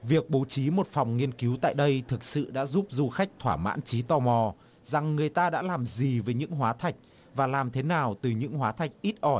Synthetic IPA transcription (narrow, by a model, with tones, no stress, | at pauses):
vi˨˩ək̚ɓo˨˦t͡ɕi˨˦mo˨˩t̚fa˨˩wŋ͡mŋi˧ənki˨˦wt̪a̰ː˧˨jɗə˧jt̪ʰɨ˨˩k̚sɨ̰˧˨ɗa̰ː˧˥zu˦˥p̚zu˧xa˦˥jk̟̚t̪ʰwaː˧˩ma̰ː˧˥nt͡ɕi˨˦t̪ɔ˧mɔ˨˩ | za˨˩ŋːɨ˨˩əjt̪aː˧ɗa̰ː˧˥laː˨˩mzi˨˩veː˨˦jɲɨ̰˧˥ŋɦwaː˨˦t̪ʰa˨˩jk̟̚ | vaː˨˩laː˨˩mt̪ʰe˨˦naː˨˩wt̪ɨ˨˩ɲɨ̰˧˥ŋɦwaː˨˦t̪ʰa˨˩jk̚ʔi˦˥t̚ʔɔ˧˩j